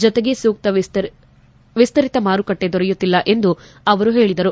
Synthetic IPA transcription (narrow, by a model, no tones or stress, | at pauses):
d͡ʒɔt̪eɡe̞suːk̚t̪ɐʋst̪ | ʋist̪ɐɾit̪ɐmaːɾukɐʈːe̞d̪ɔɾɛjut̪ːilːɐʔe̞nd̪u | ɐʋɐɾuɦe̞ːɭid̪ɐɾu